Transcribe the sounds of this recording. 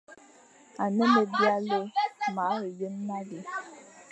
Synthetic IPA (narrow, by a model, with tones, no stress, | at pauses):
a˨ne˦me˨bja˦le˦ma˨˦ɾe˨je˦n̩˦na˦ɡi˨